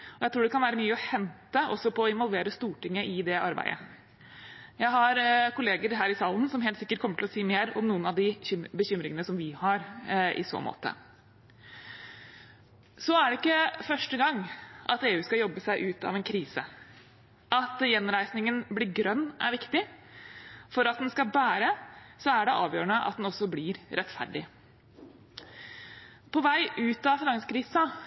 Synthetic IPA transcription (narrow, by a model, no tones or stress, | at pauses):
ɔjæɪt̪ɾuːɖ̪ɛkʰɑnʋæːɾəmyːəɔhɛnt̪əɔ̰sːɔpʰɔːɪnʋɔlʋeːɾəst̪uːʈɪŋːəʔɪd̪ɛʔɑɾbæ̰ɪd̪ə̰ | jæɪɦɑɾkʰʊleːɡəɾɦæːɾɪsɑːln̩sɔmheːlt̪sɪkːəʈ̚kʰɔmːəʈʰɪlɔsiːmeːɾɔmnuːənɑʋd̪ɪbəɕʏmɾɪŋənəsɔmʋɪhɑɾɪ̰so̰ːmʔo̰ːt̪ə̰ | sɔæɖɛɪkːəfœʂʈəɡɑŋːʔɑt̪eːʉːskɑjɔbːəsæɪʔʉːt̪ɑ̰ʋɛnkʰɾiːsə | ʔɑt̪jɛnɾæɪsnɪŋənblɪɾɡɾœnːæɾʋɪkt̪ɪ | fɔɾɑt̪̚d̪ɛnskɑlbæːɾəsɔæɖɛʔɑːʋjøːɾəɳəʔɑ̰t̪̚d̪ɛnɔsːɔblɪɾɾɛt̪fæ̰ɖɪ | pʰɔʋæɪʔʉːt̪ɑfɪnɑŋskʰɾiːsɑ